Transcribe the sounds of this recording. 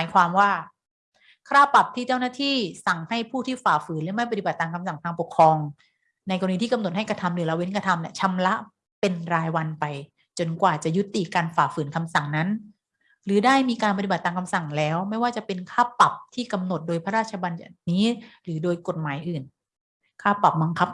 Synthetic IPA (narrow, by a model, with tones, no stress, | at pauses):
maː˨˦jkʰwaː˧mwaː˥˩ | kʰaː˥˩pa˨˩p̚t̪ʰiː˥˩t͡ɕa˥˩wnaː˥˩t̪ʰiː˥˩sa˨˩ŋha˥˩jpʰuː˥˩t̪ʰiː˥˩faː˨˩fɯː˩˦nlɛ˦˥ma˥˩jpa˧t̪i˨˩ba˨˩t̪̚ːaː˧ŋkʰa˧msa˨˩ŋt̪ʰaː˧ŋpo˨˩kʰɾɔː˧ŋ | na˧jkɔː˧i˧t̪iː˥˩ka˧mno˨˩t̪̚ha˥˩jkɾa˧t̪ʰa˧mɾɯː˨˩˦la˧we˦˥nkɾa˧t̪ʰa˧mni˧˩t͡ɕʰa˦˥mla˦˥ʔ | pe˧nɾaː˧jwa˧npa˧j | t͡ɕo˧nkwaː˨˩t͡ɕa˨˩ju˦˥t̪ːi˨˩kaː˧nfaː˨˩fɯː˩˦nkʰa˧msa˨˩ŋna˦˥n | ɾɯː˩˦daː˥˩jmiː˧kaː˧npa˧t̪i˨ba˨˩t̪ːaː˧ŋkʰa˧msa˨˩ŋlɛː˦˥wma˥˩jwaː˥˩t͡ɕa˨˩pe˧nkʰaː˥˩pa˨˩p̚t̪ʰiː˥˩ka˧mno˨˩t̪̚doː˧jpʰa˦ɾaː˥˩t̪̚t͡ɕʰa˧ba˧nja˨˩niː˦˥ɾɯː˩˦doː˧jko˨˩t̪̚maː˩˦jʔɯː˨˩n | kʰaː˥˩pa˨˩p̚ba˧ŋkʰa˦˥p̚